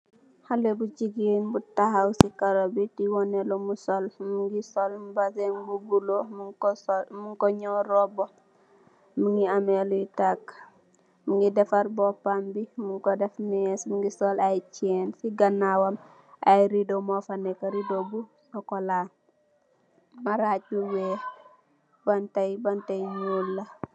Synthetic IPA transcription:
halebut͡ʃiɡinbutahawsikaɾobitiwɔnelomusɔlmuŋɡisolmbasenbubulomu | muŋkɔɲɔɾɔbo | muŋɡiameluitak | muŋɡidɛfaɾbɔpambimuŋkɔdɛfmɛsmuŋɡisolajt͡ʃɛnsiɡɐnːawɐm | ajɾidomofanɛkɐɾidobusɔkola | maɾac̚buwe | bantɐjbantajɲulːɐ

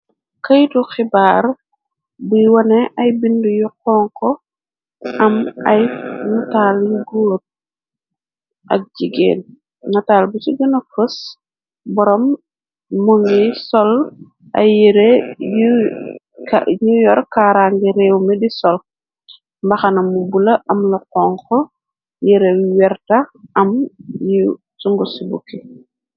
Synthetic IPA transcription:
kɐjtuxibaːɾ | biwɐnɛʔɐjbindujuqɔːŋkɔ | ʔɐmɐjŋataljuɡoːt̚ | ʔɐ̰k̚d͡ʒiɡḛːn | ŋatalbusuɡɐnɐfəs | bɔɾɔmː | uŋɛsɔl | ɐ̰jiɾej | kajujɔɾkaɾaŋɡɛɾɛːwmɛdisɔl | mbɐxɐnɐmubulɐʔɐmlɐqɔŋkɔ | jɛɾewwɛrtɐɐmju | suŋɡusibukːi

